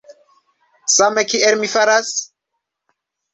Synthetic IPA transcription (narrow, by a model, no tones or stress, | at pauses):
samekielmifaɾas